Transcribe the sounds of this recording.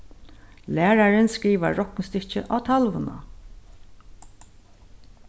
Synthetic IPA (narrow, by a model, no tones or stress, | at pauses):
læːɾaɾɪnskɾiːʋaɹɔknst̪ɪt͡ʃɪʔawt̪ʰalʋʊna̰